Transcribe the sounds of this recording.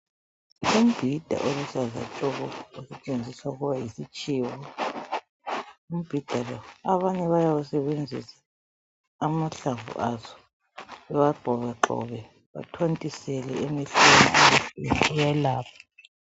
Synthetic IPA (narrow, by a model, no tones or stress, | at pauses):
um̩b̥ʱid̥ʱa̰ʔoluzaza̰t͡ɬʼɔɣɔusɛt͡ʃʼend͡zʱiswauɣuβajisit͡ʃʼiwɔ | um̩b̥ʱid̥ʱalɔaβaɲɛβajawusɛβend͡zʱḭsḁː | maɬavṵʔazɔ̥ | ɛwaɡ͡ǃʱɔβɛǃɔ̰βɛ | βa̰tʰwantʼisɛlɛ̰emiɬenḭʔameɬɛujɛlaːpʰḁ